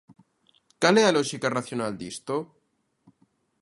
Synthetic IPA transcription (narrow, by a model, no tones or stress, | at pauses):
kalealoʃikaraθjonald̪ist̪o